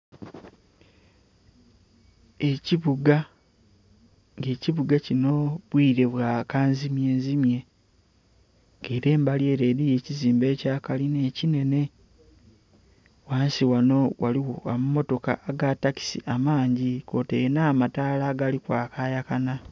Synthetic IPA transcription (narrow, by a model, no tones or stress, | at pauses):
e̞ciβuɡa | ŋɡe̞ːciβuɡacino̞βwiːɾe̞βwaːkaːnzimje̞ːnzimje̞ | ŋɡeːɾe̞ːmbalje̞ːɾe̞ːɾije̞ciziːmbe̞ːcaːkaline̞ːcine̞ne̞ | waːnsiwano̞wʔa̰liwoamumo̞to̞kaːɡataki̥siʔamaːɲɟiko̞ːtenaːmataːlaːɡalikwaːkaːjakana